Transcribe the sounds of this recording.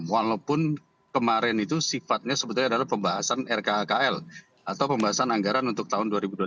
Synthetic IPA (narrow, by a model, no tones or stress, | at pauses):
mwalawpʊn | kəmaɾɛnit̪usifat̪̚ɲasəbət̪ʊɲadalahpəmbaɦasanɛrkakaɛl | at̪awpəmbaɦasanaŋɡaɾanunt̪ʊk̚t̪aɦʊnduaɾibuda